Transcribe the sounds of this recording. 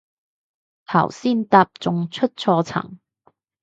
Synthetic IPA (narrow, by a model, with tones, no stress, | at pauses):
t̪ʰɐ̰˨˩wsiː˥˩nt̪aː˧p̚t͡sʊ˧ŋt͡sʰɵ˥t̚t͡sʰɔː˧t͡sʰɐ̰˨˩ŋ